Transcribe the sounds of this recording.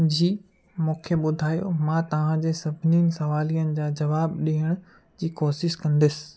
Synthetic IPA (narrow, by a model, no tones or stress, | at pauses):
d͡ʑiː | mũːkʰeɓʊd̪ʱaːjo̰mãːt̪ɐʋ̤ãd͡ʑeːsɐbʱɪniːnɪ̆sɐʋaːlijənɪ̆d͡ʑaːd͡ʑɐʋaːbɗiɦəɽ̃ | d͡ʑiːkoːsɪʃkɐ̃nd̪ɪsɪ̥